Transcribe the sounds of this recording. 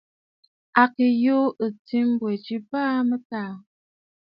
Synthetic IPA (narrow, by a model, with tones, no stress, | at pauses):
a˨ki˨jo˦ə˨ti˦m˦bwe˨t͡ʃi˦paː˦mə˦ta˦˨